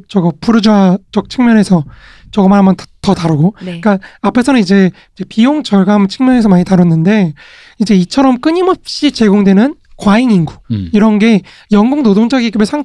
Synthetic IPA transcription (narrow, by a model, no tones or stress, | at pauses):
t͡ɕʌɡʌpuɾɯd͡ʑuad͡ʑʌk̚t͡ɕʰɯŋmjʌne̞sʰʌ | t͡ɕʌɡʌmanɦamʌntatʌtaɾɯɡok͈aapʰe̞sʰʌnɯnid͡ʑe̞ | id͡ʑe̞pijoŋt͡ɕʌɭɡamt͡ɕʰɯŋmjʌne̞sʰʌmaɲitaɾʌnːɯnde̞ | id͡ʑe̞it͡ɕʰʌɾʌmk͈ɯɲimʌp̚ɕ͈it͡ɕe̞ɡoŋdwe̞nɯn | kwaiŋiŋɡuiɾʌnɡe̞ | jʌŋɡoŋnodoŋd͡ʑaɡiɡɯbeɭsʰaŋ